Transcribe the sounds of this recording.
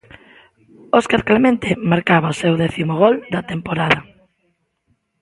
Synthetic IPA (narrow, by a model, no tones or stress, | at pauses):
oskaɾklemẽnt̪ɪmaɾkaβɐosewðɛθimʊɣɔld̪ɐt̪empoɾaðɐ